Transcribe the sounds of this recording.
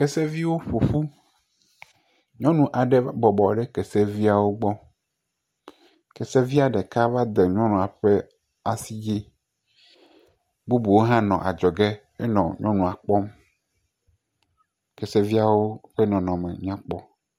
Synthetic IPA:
kɛ˦sɛ˦vi˦wo˦ɸo˨ɸu˦ | ɲɔ̃˦nũ˨ʔa˨ɖe˦bɔ˨bɔ˨ɖe˦kɛ˨sɛ˦vi˦a˨wo˦ɡ͡bɔ˦ | kɛ˨sɛ˦vi˦a˨ɖɛ˨ka˦va˦d̪ɛ˨ɲɔ̃˦nũ˨a˨ɸe˦ | a˨si˦d͡ʒi˦ | bu˦bu˨wo˦ɦã˦nɔ̰̃˨ʔa̰˨d͡ʒɔ˨ɡe˦ | e˦nɔ̰̃˨ɲɔ̃˦nũ˨a˨k͡pɔ˦m | kɛ˨sɛ˦vi˦a˨wo˦ɸe˦nɔ̃˨nɔ̃˨mḛ˨ɲ̃˦ã˦k͡pɔ˦

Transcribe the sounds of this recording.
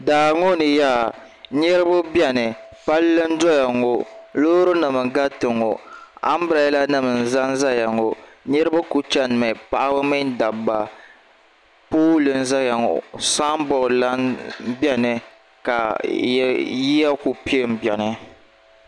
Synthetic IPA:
daː˨ŋo˦nɨ˨ja˦ | ɲɛ˦ɾɨ˦bʊ˦bjɛ˦˨nɨ˨pa˦lːɨ˦n̩˦dɔ˦ja˨ŋo˨loː˦ɾɨ˦nɨ˨mɨ˨ɡa˦tɨ˨ŋo̰˨a̰˦m˦bɾa˨˦la˦nɨ˨mɨ˨n̩˨za˦n˦za˦ja˨ŋo˨ɲɛ˦ɾɨ˦bʊ˦ku˨t͡ʃɛ˦n˨mɛ˨pa˦ʔa˦bɨ˦mɨ˦n˦da˨bːa˨ | poː˦lɨ˨n̩˦za˦ja˨ŋo̰˨sa˦m˦bɔ˨ʔla˦bjɛ˦nɨ˨ | ka˨˦ | ji˦ja˦ku˨pi˦e˦˨m̩˨bɛ˨nɨ˨

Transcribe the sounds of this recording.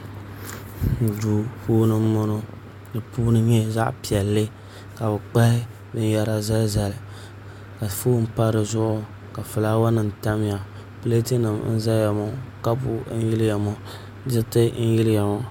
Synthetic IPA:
n̩˨du˨fuː˦nɨ˦mː˦ʊ˦nʊ˦ | dɨ˨puː˦nɨ˦ɲɛ˦za̰˦ʔpi˨ɛ˨lːɨ˦ | ka˨bɛ˨k͡pa˦ɪ˦ | bɨ˦n˦ja˦ɾa˦za˦za˨l | ka˨fuː˦m̩˦pa˦ɾɨ˨zʊ˦ʔʊ˦ | ka˨fɨ˨laː˦wa˦nɨ˨m˨ta˦m˦ja˨ | pɨ˦le˦tɨ˦nɨ˨mn̩˦za˦ja˨mɔ˦ka˦bu˨˦n̩˦ji˦lɪ˦ja˨mɔ˦ | d͡ʒɪ˦tɨ˦n̩˦jɪ˦lja˨mɔ˦

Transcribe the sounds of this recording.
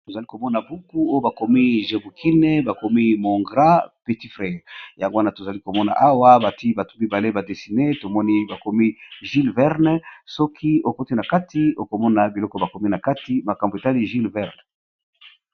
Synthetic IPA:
to˨za˨li˦ko˨mɔ˦na˨bu˦ku˦o˦jo˦ba˨ko˨mi˦ʒe˨bu˨ki˦ne˦ba˨ko˨mi˦mo˨ŋɡʁa˦pe˨ti˦fʁe˨ja˨ŋɡo˦a˦na˨to˨za˨li˦ko˨mɔ˦na̰˨ʔa˦wa˦ba˨ti˦ba˨tu˦bi˦ba˨le˦ba˨de˨si˨ne˦to˨mɔ˦ni˦ba˨ko˨mi˦ʒi˦lvɛ˦ʁn˦sɔ˦kʰi˦o˨ko˦ti˦na˨ka˦ti˦o˨ko˨mɔ˦na˨bi˨lɔ˦kɔ˦ba˨ko˨mi˦na˨ka˦ti˦ma˨ka˨mbo˨e˨ta˦li˦ʒi˦lvɛ˦ʁn˨

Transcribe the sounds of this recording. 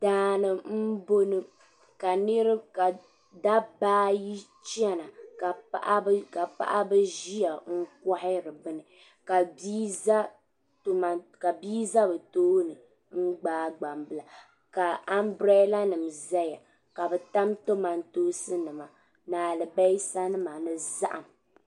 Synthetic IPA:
d̥aː˨˦nɨ˨m̩˦bo˦nɨ˦ | ka˨nɨ˦ɾɨ˦ka˨ | da˦baː˦ji˦t͡ʃɛ˦na˨ka˨a̰˦ʔa˦ka˨pa̰˦ʔa˦bɨ˦ʒi˦ja˨ŋ̩˦kɔ˦hɪ˦ɾɨ˨bɨ˦nɨ˨ | ka˨bi˦za˦ | to˦ma˨ka˨biː˦za˦bɨ˨toː˦nɨ˨ | ŋ̩˦ɡ͡baː˦ɡ͡ba˨mbɨ˦˨la˨ | ka˨a˦mbɾɛ˦la˦nɨ˨mza˦ja˨ | ka˨bɛ˨ta˦mto˦ma˨ntoː˦sɨ˦nɨ˨ma˨ | naː˨lɨ˨ba˦jsa˦nɨ˦ma˨nɨ˦za̰˦ʔa˨m

